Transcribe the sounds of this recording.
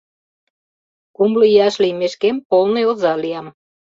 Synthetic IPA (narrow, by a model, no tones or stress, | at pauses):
kumləjɑʃlimeʃkempolneozɑlijɑm